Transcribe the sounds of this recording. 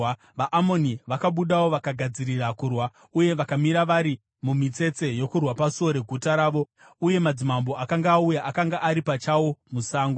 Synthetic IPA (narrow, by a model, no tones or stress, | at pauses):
ʋaʔamo̞niʋakaɓuɗawo̞ʋakaɡʱad͡ziɾirakurwa | uje̞ʋakamiɾaʋaɾi | mumit͡se̞t͡se̞jo̞kurwapasuo̞ɾe̞ɡʱutaɾaːʋo | uje̞mad͡zimambo̞ʔakaŋɡaːujaʔakaŋɡaʔaɾipat͡ʃawo̞musaːŋɡo